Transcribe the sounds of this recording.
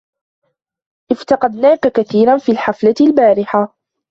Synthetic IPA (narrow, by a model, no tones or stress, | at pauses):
ʔɪft̪ɑqɑd̪naːkakaθiːɾanfiːlħaflalbaːɾɪħa